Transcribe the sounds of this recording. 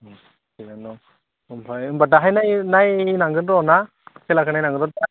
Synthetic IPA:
inanɔ | ɯmbajɯmbaʈaɦajnajnajinaŋɡɯnɾɔna | sɛlakʰɯnajnaŋɡɯnɔa

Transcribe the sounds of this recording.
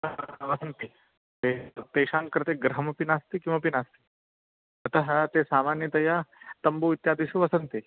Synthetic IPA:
ʋɐsɐnt̪i | eːp̪eːʃaːnkɐɾt̪eːɡɾɐɦɐmɐpinaːst̪ikimɐpinaːst̪i̥ | ɐt̪ɐɦɐ̆t̪eːsaːmaːnjɐt̪ɐjaːt̪ɐmbuːʋit̪jaːd̪iʃuʋɐsɐnt̪i

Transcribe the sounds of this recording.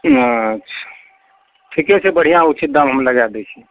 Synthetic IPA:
ətːʃʰḁ | ʈʰikɛt͡ʃʰebəɽ̤ijãut͡ʃʰit̪̚d̪amɦəmləɡad̪ɛt͡ʃʰi

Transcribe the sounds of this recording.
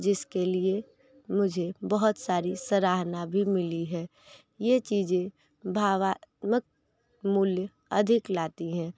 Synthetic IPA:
d͡ʒɪskelie | mʊd͡ʒʱebəɦʊt̪saːɾisəɾaːɦnabʱimɪliɦɛ̃ː | jet͡ʃiːd͡ʒẽ | bʱaːʋaːt̪mək̚ | mʊlj | ɐd̪ʱɪklaːt̪iɦɛ̃ː

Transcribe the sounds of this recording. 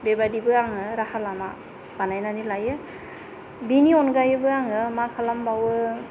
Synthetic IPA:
bebadibɯaŋɯɾahalama | b̥anajnanilajɯ | biniɔnɡajɯbɯaŋɯmakʰalambawɯ

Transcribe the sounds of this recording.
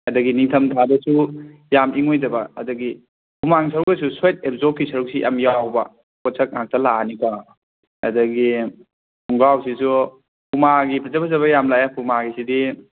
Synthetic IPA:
ɐdɐɡiniŋtʰɐmtʰabɐsujamʔiŋojtɐbɐ̰ːdɐɡi | pʰumaŋs̬ɐɾuk̚ɐsusajt̚ep̚zokːisɐɾuk̚sijʔa̰mjawbɐ̰ | kɔsʰɐk̚ŋak̚tʰɐlanipa | ɐ̰dɐɡi | uŋɡawsisu | pʰumaɡipʰɐzɐbɐzɐβɐjamlajapʰumaɡisidi

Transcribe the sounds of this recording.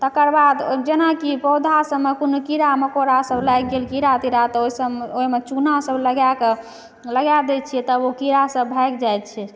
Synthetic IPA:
t̪əkəɾbad̪d͡ʒenakipɔwd̪ʱasəbmːekunkiɾaməkoɾasəblajk̚ɡelkiɾat̪iɾat̪ɔoisəoimet͡ʃunasəbləɡjake | ləɡjad̪et̪̚t͡ʃʰiɛt̪əokiɾasəbbʱɛkd͡ʒajt̪̚t͡ʃʰɛ

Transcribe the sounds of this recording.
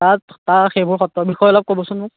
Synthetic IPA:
tattaxejbʊɹxɔtːɔbixɔjɔlɔb̚kobɔsʊnmʊk̚

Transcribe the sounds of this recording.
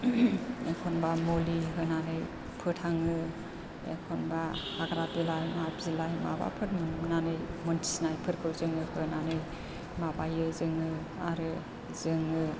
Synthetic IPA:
ekʰɔnbamoliɦɯnanɯj | pʰɯtʰaŋɯ | ḛkʰɔnbahaɡɾabilajmabzilajma̰ba̰pʰɯt̚mɯnnanɯjmɔntʰi̥snajpʰɯɾkʰɯlzɯŋɯhɯnanɯj | mabajɯzɯŋɯ | aɾɯ | zɯŋɯ

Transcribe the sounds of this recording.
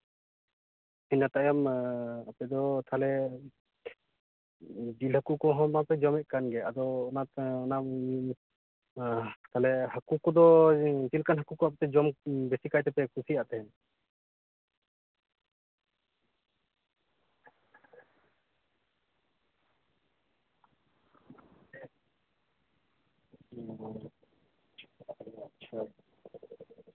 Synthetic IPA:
iɲat̪ajamapɛd̪ɔt̪ʰalɛ | d͡ʒilɦakukɔɦɔmmapɛd͡ʒɔmɛʔ̚kanɡɛad̪ɔːnaɔna | t̪ʰalɛhakukɔd̪ɔt͡ʃilkanɦakukɔapɛt̪ɛd͡ʒɔmbɛsikajt̪ɛpɛkusijaʔt̪ɛɦɛn

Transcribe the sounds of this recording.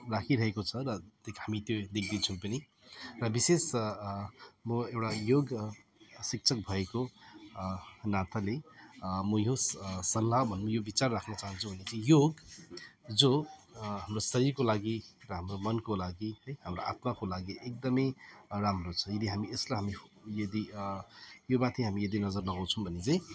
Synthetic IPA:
rakʰiɾʌɦekot͡sʰʌɾʌt̪ekhamit̪jod̪ek̚ʰd̪int͡sʰuũpʌni | rʌbises | mʌewʈajoɡ | sik̚t͡sʰʌk̚bʱʌeko | nat̪ʰalemʌjossʌlːabʱʌnmʌjobit͡sarːakʰnʌt͡saɦʌnt͡sʰubʱʌnet͡sijoɡ | d͡zoɦamrosʌɾirkolaɡiɾʌɦamromʌnkolaɡiʌjɦamroʔa̰t̪makolaɡiʔek̚d̪ʌmʌjɾamrot͡sʰʌ̥ed̪iɦamieslaɦamijʌd̪i | jobat̪ʰĩɦamijʌd̪inʌd͡zʌrlʌɡaw̃t͡sʰʌ̃w̃bʱʌnet͡sʌ̃j̃

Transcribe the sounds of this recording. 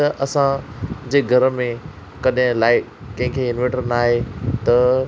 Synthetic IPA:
ʔɐsãd͡ʑeːɡʱɐɾəmẽ | kɐɗɦɪ̃laːɪ | kɐ̃ɦɪ̃kʰeɪnʋẽʈəɾnaːɦet̪ɐ

